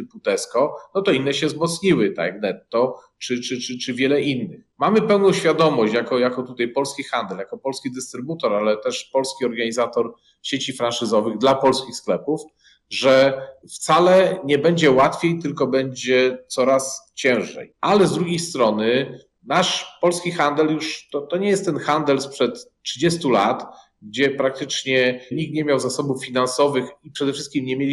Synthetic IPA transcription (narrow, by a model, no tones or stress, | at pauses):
t̪put̪ɛskɔnɔt̪ɔinːɛɕɛzmɔt̪sɲiwɘt̪a̰aɡnɛt̪ːɔ | t͡ʂɘt͡ʂɘt͡ʂɘt͡ʂɘvʲjɛlɛʔinːɘxmamɘpɛwnɔ̃w̃ɕfʲjad̪ɔmɔɕt͡ɕjakɔjakɔt̪ut̪ajpɔlskʲixand̪ɛljakɔpɔlskʲid̪ɘst̪ɾɘbut̪ɔɾalɛt̪ɛʂpɔlskʲiɔɾɡaɲizat̪ɔɾ | ɕet͡ɕifɾanʂɘzɔvɘɣd̪lapɔlskʲixsklɛpuf | ʐɛ | ft̪salɛɲɛbɛɲd͡ʑɛwat̪fʲjejt̪ɘlkɔbɛɲd͡ʑɛt̪sɔɾast͡ɕɛ̃w̃ʐɛ̰jʔalɛzd̪ɾuɡʲejst̪ɾɔnɘ | naʂpɔlskʲixand̪ɛljuʂt̪ɔt̪ɔɲɛjɛst̪ːɛnxand̪ɛlspʂɛt̪tʂɘd͡ʑɛst̪ula̰t̪ | ɡ̚d͡ʑɛpɾak̚t̪ɘt͡ʂɲɛɲik̚t̪ɲemʲjawzasɔbufːʲinansɔvɘxipʂɛd̪ɛfʂɘst̪̚kʲimɲɛmʲjelʲi